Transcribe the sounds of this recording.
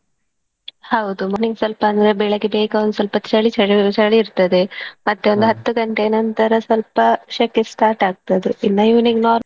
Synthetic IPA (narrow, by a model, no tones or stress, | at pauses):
hɐwd̪umoniŋɡsɐlpɐːnd̪ɐɾebeːɭɐɡebeːkɐond̪usɐlpɐt͡ʃɐɭit͡ʃɐɽit͡ʃɐɭiːɾt̪ɐd̪e̞mɐt̪ːeond̪uɦɐt̪ːuɡɐɳʈeːnɐnt̪ɐɾɐsɐlpɐʃɐkːisʈaːɾʈaːɡ̚t̪ɐd̪einːɐjuːniknoːɾ